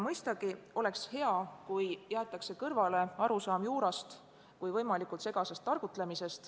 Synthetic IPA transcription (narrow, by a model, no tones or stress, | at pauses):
mɤjst̪ɑɡ̥io̞le̞kshe̞ɑkujjæːt̪ːˑɑkse̞kɤrvɑle̞ɑɾusɑːmjuːɾɑst̪ | kujvɤjmɑlikˑult̪se̞ɡɑsest̪ːɑrɡ̥ut̪le̞mise̞st̪